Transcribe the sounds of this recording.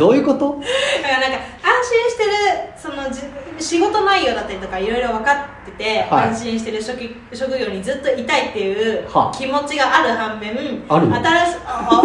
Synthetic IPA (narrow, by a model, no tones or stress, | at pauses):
oːjɯ̟kot̪oanonãŋkaãɰ̃ɕĩɰ̃ɕi̥t̪e̞ɾɯ̟so̞no̞d͡ʑiɕiɡo̞t̪o̞naijːo̞ːd̪at̪ːaɾʲit̪okaiɾo̞iɾo̞β̞akat̪ːe̞t̪e̞aãɰ̃ɕĩɰ̃ɕi̥t̪e̞ɾɯ̟ok | ɕo̞kɯ̟ɡʲo̞ːɲ̟id͡zɨt̪ːo̞it̪ait̪ːe̞jɯ̟ːhakʲimo̞t͡ɕiɡaʔaɾɯ̟hãmbẽaɾɯat̪aɾaɕ